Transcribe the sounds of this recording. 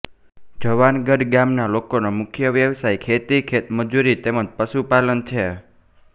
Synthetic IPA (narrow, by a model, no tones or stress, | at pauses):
d͡ʒəʋanɡəɖɡamnalokonomʊkʰjəʋjəʋsajkʰet̪ikʰet̪məd͡ʒuɾit̪eməd͡ʒpəsupalənt͡ʃʰe